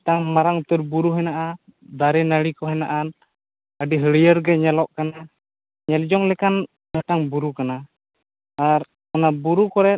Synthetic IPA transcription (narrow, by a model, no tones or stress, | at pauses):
t̪aŋmaɾaŋt̪urbuɾuɦɛnaʔad̪aɾɛnalikɔɦɛna̰ʔan | adiɦəlijərɡɛɲalɔʔkana | ɲalid͡ʒɔŋlɛkan | naʈaŋbuɾukana | aɾ | anabuɾukɔɾɛ